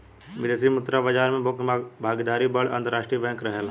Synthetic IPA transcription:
ʋɪd̪eːsimʊt̪ɾabɐd͡ʒaːɾmẽkbʱaːɡd̪aːɾibɐɽɐ̃nt̪əɾaːʃʈɾiːbɛ̃ːŋkɾɐɦel

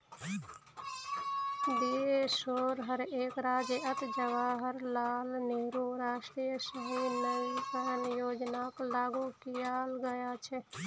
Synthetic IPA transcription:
d̪eesoːɾɦəɾeːkɾaːd͡ʒeət̪d͡ʒəʋaːɦəɾlaːlneɾuɾaːʃʈɾijəsəɦinəjikəɾənjoːd͡ʒnaklaːɡukijaːlɡəjat͡ʃʰɛ

